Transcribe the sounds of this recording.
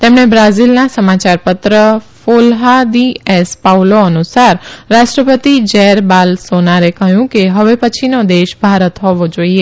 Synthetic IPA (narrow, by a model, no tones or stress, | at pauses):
t̪emɳ̃ebɾazilnasəmat͡ʃaɾpət̪ɾəfolɦad̪iɛspawloənusaɾːaʃʈɾəpət̪id͡ʒɛɾbalsonaɾekəɦjũkeɦəʋepət͡ʃʰinod̪eʃbʱaɾət̪ɦɔʋod͡ʒoie